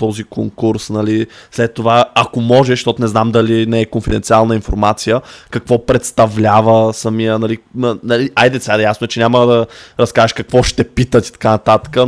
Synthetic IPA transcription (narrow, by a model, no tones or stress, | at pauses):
t̪ɔzikoŋkuɾsnɐlislɛt̪ːovaːkomɔʒɛʃt̪ɔt̪onɛznamd̪ɐlinɛɛkonfid̪ɛnt̪sialˠnəinfoɾmat̪sijəkɐkvɔpɾɛt̪st̪ɐvlʲavəsɐmijənɐlinənɐliʔajd̪ɛt̪sad̪jasnoɛt͡ʃɛnʲaməd̪ɐɾɐskaʒɛʃkɐkvɔʃt̪ɛpit̪ət̪i̥t̪ɐ̥kanɐt̪at̪ə̥kə